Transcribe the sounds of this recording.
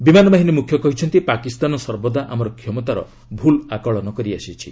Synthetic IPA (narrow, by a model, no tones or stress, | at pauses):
bimanɔbaɦinemukʰjɔkɔɦit͡ʃʰɔnt̪ipakist̪anɔsɔɾbɔd̪aʔamɔɾɔkʰjɔmɔt̪aɾɔ̰ | bʱulakɔɭɔnɔkɔɾiasit͡ʃʰḭ